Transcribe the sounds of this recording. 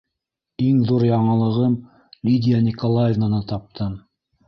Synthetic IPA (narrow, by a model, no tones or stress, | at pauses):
iŋðuɾjɑɴɤ̆lˠɤ̆ʁɤm | lʲid̪ʲɪjanʲikolˠajɛvnanɤt̪ɑp̚t̪ʰɤm